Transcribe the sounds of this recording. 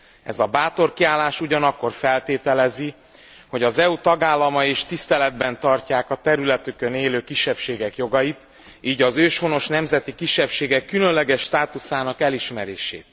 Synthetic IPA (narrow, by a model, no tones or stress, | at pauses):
ɛ̰zɒbaːt̪o̞rkiaːlːaːʃuɟɒnɒkːo̞rfɛlt̪eːt̪ɛlɛzi | ho̞ɟɒzɛut̪ɒɡaːlːɒmɒeːʃt̪ist̪ɛlɛd̪bɛnt̪ɒrcaːkɒt̪ɛɾylɛt̪ykø̞neːløːkiʃːɛpʃeːɡɛkjo̞ɡɒjit̪ | iːɟɒzøːʃho̞no̞ʃnɛmzɛt̪ikiʃːɛpʃeːɡɛkːylønlɛɡɛʃːt̪aːt̪usaːnɒkɛliʃmɛɾḛːʃḛːt̪̚